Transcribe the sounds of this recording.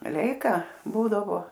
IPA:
ˈlʲɛɪkɐ ˈbuːdɐʋoː

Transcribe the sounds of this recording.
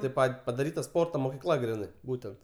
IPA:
tʲeːp ˈpɐtʲ pɐdɐˈrʲiːtɐ ˈspoːrtoː moːkʲɪˈklˠɐ ˈɡrʲɪnɐɪ ˈbuːtʲɛnt

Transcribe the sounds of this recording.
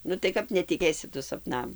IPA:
ˈnʊ tɐɪ ˈkɐp nʲɛtʲɪˈkʲeːsʲɪ ˈtʊ sɐpˈnɐm

